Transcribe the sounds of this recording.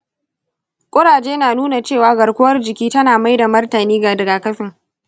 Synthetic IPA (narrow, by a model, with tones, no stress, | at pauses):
kʷʼʊ˦ɽaː˨d͡ʒeː˦naː˨nuː˦na˨t͡ʃeː˦˨waː˦ɡɐ˨ɽkʷʊ˦wɐ˦rd͡ʒɪ˨kʲiː˦tɐ˦naː˨ma˦jda˨mɐ˦rtɐ˨niː˦ɡa˨dɐ˨ɡaː˨kɐ˦ɸɪ˨ŋ